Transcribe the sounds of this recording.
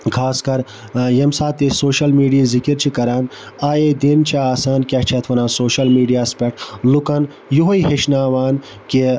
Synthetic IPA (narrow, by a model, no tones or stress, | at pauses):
kʰaːskɐɾ | jɐmsaːt̪esoːʃɐlmiːɖijizikiɾt͡ʃʰikɐɾaːnaːjed̪int͡ʃʰaaːsaːnkʲɐt͡ʃʰɐt̪ʰʋɐnãːsoːʃɐlmiːɖijaːspeʈlukɐn | joɦoiɦeʃnaːʋaːn | ke